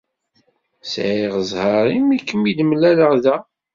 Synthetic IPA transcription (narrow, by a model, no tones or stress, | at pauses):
sʕiʁəzˤhɑɾˤimikːəmid̪əmlæləʁðæ